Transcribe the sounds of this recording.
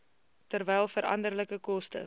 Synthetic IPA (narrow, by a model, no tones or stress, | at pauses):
tərvɛjlˠfəɾɐ̰ndərləkəkɔstə̰